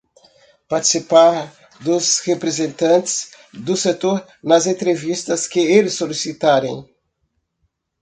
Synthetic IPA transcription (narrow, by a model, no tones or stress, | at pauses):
paɾt͡ʃ̪i̥sipaɾ | d̪ʊzhepɾezẽnt̪ɐ̃nt̪ɪ̥s | d̪ʊset̪oɾ | nɐzẽnt̪ɾevist̪ɐskɪelɪsːolisit̪aɾḛ̃j̃